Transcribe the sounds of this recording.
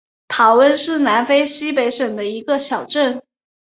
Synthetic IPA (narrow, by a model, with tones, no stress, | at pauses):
t̪ʰɑ˧˥ʊwə˥˧nʂɻ̩˥˩na˧˥nfe˥ɪɕi˥pe˧˥ɪʂə˨˩ŋd̪ə˦i˧˥ɡə˧ɕjɑ˨˩ʊʈ͡ʂə˥˩n